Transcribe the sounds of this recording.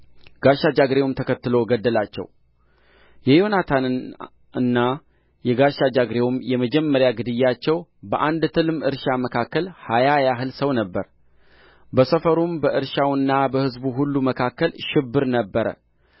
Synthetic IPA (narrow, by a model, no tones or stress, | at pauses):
ɡ̥aʃad͡ʒaɡɾe̞wmt̪ʰəkʰət̪ːɨlo̞ɡəd̪ːəlat͡ʃːɛ̰w | jɛjo̞nat̪ʰan | ɨnːa | jɛɡaʃad͡ʒaɡɾe̞wumjɛməd͡ʒɛmːəɾjaɡɨd̪ɨjːat͡ʃːɛwbəʔand̪t̪ʰɨlmɨɾʃaməkʰakːəlhajajaɦɨlsəwnəbːəɾ | bəsəfəɾumbəʔɨɾʃawɨnːabəhɨzbuɦulːuməkʰakːəlʃɪbːɨɾnəbːəɾə̰